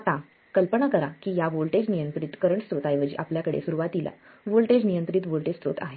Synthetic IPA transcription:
at̪ã | kəlpəɳakəɾakiːjaʋolʈed͡ʑnijənt̪ɾit̪kəɾəɳst̪ɾot̪ajʋəd͡ʑḭːʔapljakəɽḛsuɾuʋat̪ila̰ | ʋolʈed͡ʑnijənt̪ɾiːt̪ʋolʈest̪ɾo̰t̪a̰ɦe

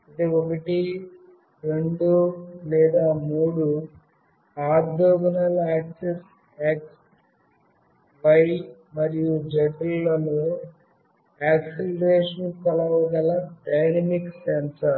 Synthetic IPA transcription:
id̪eokɐʈi | ɾe̞ɳɖulɛːd̪aːmuuːɽu | aːd̪oːɡinɐlaːkses | aːks | bɐj | mɐɾijud͡ʒɐʈɐllɐloː | aːkselɐɾeːʂɐnkɐlɐʋɐɡɐlɐɖɐjnɐmiksensɐ

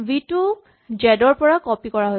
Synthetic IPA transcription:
bitu | d͡ʒɛdɔɹpɔɹakɔpikɔɹaɦo

